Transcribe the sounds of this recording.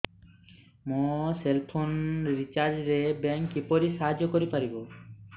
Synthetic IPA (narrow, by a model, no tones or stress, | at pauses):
moselpʰonɾit͡ɕaɾd͡ʑɾebɛŋkːipoɾiʃaɦad͡ʑːokoɾipaɾibo